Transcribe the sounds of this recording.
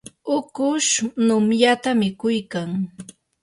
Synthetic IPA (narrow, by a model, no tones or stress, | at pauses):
ʊkʊʃnʊmjat̪amɪkʊjkaŋ